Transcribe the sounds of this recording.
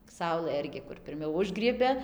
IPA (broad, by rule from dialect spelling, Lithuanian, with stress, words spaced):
ˈsɐʊlˠɘ ˈɪrʲɡʲɪ kʊr pʲɪrʲˈmʲɛʊ ˈʊʒɡrʲiɛbʲɛ